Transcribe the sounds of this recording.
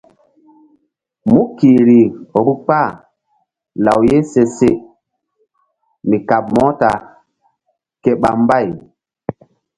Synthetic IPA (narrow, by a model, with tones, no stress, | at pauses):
mu˦kiː˨ɾi˨ɾu˦k͡pa˦˨ | la˨wje˦se˨se˦˨ | mi˨ka˨b̚mɔ˦ta˨ | kɛ˦ɓa̰˨m˦ba˦˨j